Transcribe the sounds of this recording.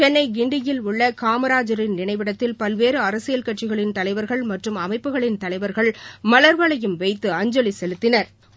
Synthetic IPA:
t͡ʃɛnːɐɪɡɪɳɖɪjɪlʊɭːɐkaːmɐɾaːd͡ʒɐɾɪnnɪɳɐɪʋɪɽɐt̪ːɪlpɐlʋeːɾɯɐɾɐsɪjɐlkɐʈt͡ʃɪɣɐɭɪnt̪ɐlɐɪʋɐɾɣɐɭmɐʈrɯmɐmɐɪpːɯɣɐɭɪnt̪ɐlɐɪʋɐɾɣɐɭmɐlɐɾʋɐɭɐjɯmʋɐɪt̪ːɯɐɲd͡ʒɐlisɛlɯt̪ːɪnɐɾ

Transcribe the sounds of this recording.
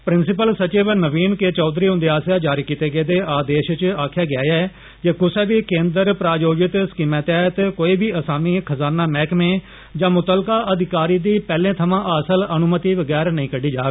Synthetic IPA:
pɾɪnsɪpəlsət͡ʃiːʋnəʋiːnkeːt͡ʃɔːd̪ɾiːɦʊ̃nd̪eːaːsjaːd͡ʒaːɾiːkiːt̪eːɡeːd̪eːʔaːd̪eːʃt͡ʃaːkʰjaːɡɪjaːjɛː | d͡ʒeːkʊsɛːʋiːkẽːnd̪əɾpɾaːjoːd͡ʒɪt̪skɪmɛːt̪ɛːt̪koːiːbʱiːəsaːmiːkʰəzaːnaːmɛ̃ːkmẽː | d͡ʒãːmʊt̪əlkaːʔəd̪ɪkaːɾiːd̪iːpɛːlẽːt̪ʰəmãːʔəsələnʊmət̪iːʋəɡɛːɾnəĩːkəɖiːd͡ʒaːɡ

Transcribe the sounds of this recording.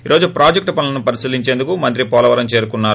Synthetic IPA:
iːɾʔo̞ːd͡ʒupɾaːd͡ʒek̚ʈpɐnɐlɐnupɐɾisiliɲt͡ʃe̞ːnd̪ukumɐnt̪̬ɾipɔːlɐʋɐɾɐmt͡ʃe̞ːɾukunːaːɾu

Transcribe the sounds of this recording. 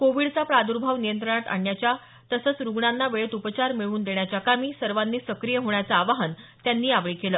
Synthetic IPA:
koʋiɽt͡sapɾad̪uɾbʱaʋnijənt̪ɾəɳ̃at̪a̰ɳːjat͡ɕja | t̪əsəːt͡sɾuɡɳanːaʋeɭet̪upət͡ɕaɾmiɭuːnd̪eɳjat͡ɕjakamiːsəɾʋanːiːsəkɾijəɦoɳjat͡saːʋaɦənt̪janːiːaʋɭiːkeləː

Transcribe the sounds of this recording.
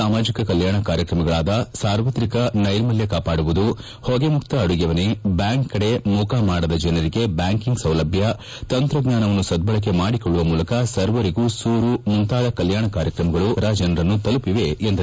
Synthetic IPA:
aːmaːd͡ʒikɐkɐljaːɳɐkaːɾjɐkɾɐmɐɡɐɭaːd̪ɐsaːɾʋɐt̪ɾikɐnɐjɾmɐljekaːpaːɽuʋud̪u | hoɡe̞mukt̪ɐːɽuɡɐʋɐnebjaːŋkːɐɽe̞mukamaːɽɐd̪ɐd͡ʒɐnɐɾiɡe̞bjaːŋkiŋɡsɐwlɐbʱjɐ | t̪ɐnt̪ɾɐɡɲaːnɐʋɐnːusɐd̪̚bɐɭɐk̬ːe̞maːɽikɔɭːuʋɐmuːlɐkɐsɐɾʋɐɾiɡuːsuːɾumunt̪aːd̪ɐkɐljaːɳɐkaːɾjɐkɾɐmɐɡɐɭuɐɾaːd͡ʒɐnɐɾɐnːut̪ɐlupiʋe̞ːnd̪ɐ

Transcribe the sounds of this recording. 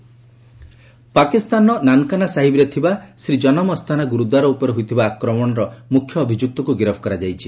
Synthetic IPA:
pakist̪anɔnankanasaɦibɾɔt̪ʰibasɾid͡ʒɔnɔmɔst̪ʰanaɡuɾud̪waɾɔupɔɾeɦujt̪ʰibaːkɾɔmɔɽ̃ɔɾɔmukʰjɔːbʱid͡ʒuk̚t̪ɔkuɡiɾɔbʰʱɔ̥kɔɾad͡ʒajt͡ʃʰi

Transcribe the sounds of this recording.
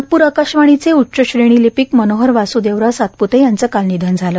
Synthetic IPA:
k̪̚puːɾəkaɕʋaɽ̃it͡seutːɕəɕɾeɽ̃iːlipikmənoɦəɾʋasud̪eʋɾasat̪put̪ejant͡səkalnid̪ʱand͡zʱalə

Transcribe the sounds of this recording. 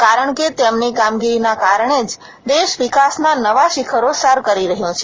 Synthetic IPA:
kaɾəɳ̃ket̪emnikamɡiɾinakaɾəɳ̃ed͡ʒ | d̪eʃʋikasnanəʋaʃikʰəɾosaɾkəɾiɾəɦjõt͡ʃʰe

